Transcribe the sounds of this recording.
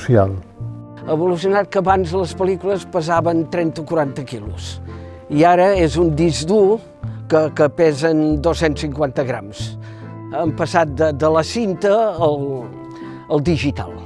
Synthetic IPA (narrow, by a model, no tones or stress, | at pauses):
sia̰lˠ | əβulus̬iunat̪̚kəːβanzləspəlikuləspəzaβənt̪ɾɛnt̪okuɾant̪əkilṵs | iaɾəezund̪izd̪u | kəkəpɛzənd̪osensiŋkwant̪əɣɾa̰ms | əmpəsat̪̚d̪əd̪ələsint̪əːlˠ | əlˠd̪iʒit̪a̰lˠ